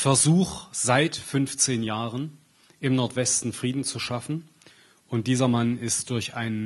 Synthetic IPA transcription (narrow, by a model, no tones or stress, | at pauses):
fɛɐzuːxz̥aɪtfʏnft͡seːnjaːʁən | ʔɪmnɔɐtv̥ɛstn̩fʁ̥iːdn̩t͡suʃafn̩ | ʔʊnt̚d̥iːzɐmanɪstd̥ʊɐçʔaɪn